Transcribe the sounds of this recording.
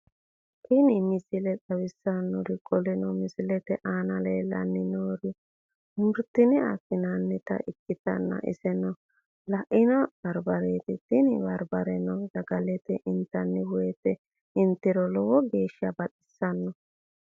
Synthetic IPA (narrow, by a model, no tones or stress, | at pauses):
t̪ɪnɪmɪsɪlɛt͡sʼɐwɪsːɐnɔɾɪkʼɔlɛnɔmɪsɪlɛt̪ɛʔaːnɐleːlɐ̰nːɪnoːɾɪ | mʊɾt̪ːɪnɪɐ̰sɪnanːɛt̪ɐ̰ʔɪkːɪt̪ɐnːɐ̰ʔɪ̰sɛnɔ | lɐʔɪnɐb̥ɐɾbɐɾeːt̪ɪt̪ɪnɪbɐɾbɐɾɛnɔdɐɡɐlɛt̪ɛʔɪnt̪ːɐnːɛwɔjɛt̪ɛ | ɪnt̪ɪɾɔlɔwɔɡeːʃɐbɐt̪ʼɪ̥sːɐnːɔ